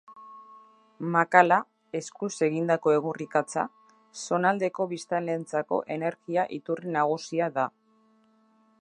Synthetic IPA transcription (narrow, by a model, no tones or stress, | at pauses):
makala | e̞skuse̞ɣind̪ako̞e̞ɣurikat͡sa̰ | so̞nald̪e̞ko̞βist̪anlent͡sako̞̰ʔe̞ne̞ɾɣiaʔit̪urinaɣ̞usiaða